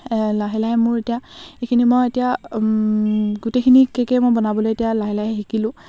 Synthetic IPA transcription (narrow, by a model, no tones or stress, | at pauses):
laɦilaɦɛmʊɹetijaekʰinimojetija | ɡutekʰinikekɛmojbɔnabɔlojetijalaɦilaɦɛxikilʊ̃